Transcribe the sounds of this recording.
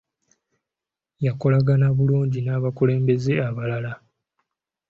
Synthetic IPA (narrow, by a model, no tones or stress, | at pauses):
jako̞laɡanaβuluːɲɟinaβakule̞ːmbe̞zeaβalala